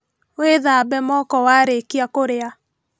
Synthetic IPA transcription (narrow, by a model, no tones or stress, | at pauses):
weðabɛmɔkɔwaɾekiakoɾea